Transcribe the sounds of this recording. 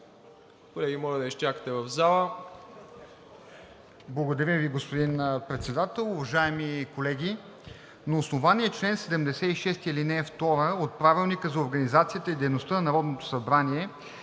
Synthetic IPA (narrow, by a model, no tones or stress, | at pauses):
kolɛɡʲimɔlɐd̪ɐiʃt͡ʃakə̥t̪ɛvɐvzalˠə | blˠɐɡod̪ɐɾiviɡospod̪inpɾɛt̪sɛd̪at̪ɛlˠʊvɐʒaɛmikolɛɡʲi | nɐːsnovaniɛt͡ʃlɛnsɛd̪ɛmd̪ɛsɛiʃɛst̪ilinɛft̪ɔɾəot̪̚pɾavilˠnikəzɐoɾɡənizat̪sijət̪əid̪ɛjnost̪ənɐnɐɾɔd̪not̪o̥sɐbɾanʲiɛ